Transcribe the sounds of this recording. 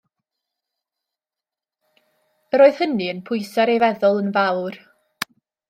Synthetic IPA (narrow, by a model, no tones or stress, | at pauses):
əɾoːɨð̥həniənpʰʊjsɛɾejvɛðʊlˠənvawr